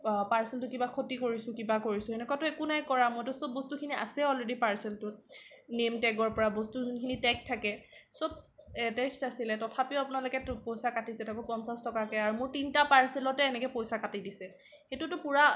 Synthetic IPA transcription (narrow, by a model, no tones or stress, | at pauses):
paɹsɛltʊkibakʰotikoɹisʊkibakoɹisʊ̃ɛnɛkatʊɛkunajkɔɹamɔjtʊsobbːostukʰinia̰sɛɔlɹedipaɹsɛltʊnemtɛɡɔɹpɔɹabostunkʰinitɛk̚tʰːakɛsob̚ɛtɛstasilɛtɔtʰapiʊapʊnalokɛpojsakatisɛtakɔpɔnsastɔkakɛaɹumʊɹtintapaɹsɛlɔtɛːnɛkɛpojsakatidisɛ | xetʊtʊpuɹa